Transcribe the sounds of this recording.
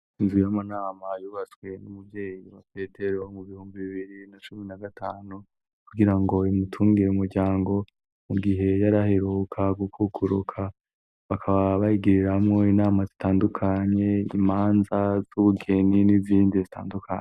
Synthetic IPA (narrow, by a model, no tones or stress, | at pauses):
inzujamanaːmajuːβat͡swe̞numuvje̞ːjiβape̞te̞ɾo̞muβihuːmbiβiβiɾinat͡ʃuminaɡatʰaːnu | kuɡiɾaŋɡo̞imutʰuːŋɡiɾeumuɾɟaːŋɡo̞ | muɡiɦe̞jaɾahe̞ɾukʰaɡukʰukʰuɾukʰa | βakʰaβaβaiɡiɾiɾamŋo̞inaːmazitaːndukʰaɲe̞imaːnzaz̥uβuɡe̞niniziːndizitʰa̰ːndukʰa̰ɲe